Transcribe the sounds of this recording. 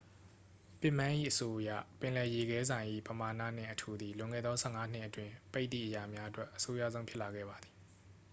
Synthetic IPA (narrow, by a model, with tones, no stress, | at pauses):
pɪ˦˨mã˦ʔḭ˦˨ʔəso˦ʔjä̰˦˨pɪ̃˨lɛ˨je˨ɡɛ˦zã˨ɪ̃ʔḭ˦˨pəma˨na̰˦˨n̥ɪ̰̃˦˨ʔətʰu˨d̪i˨lʊ̃˨ŋɛ̰˦˨d̪ɔ˦sʰɛ̰˦˨ŋa˦n̥ɪ̃˦ʔətwɪ̃˨pe˦ɪt̪ḭ˦˨ʔəja˨mja˦ʔətwɛ˦ʔəso˦jä̰˦˨zõ˦ʊ̃pʰjɪ˦ʔla˨ɡɛ̰˦˨ba˨d̪ði˨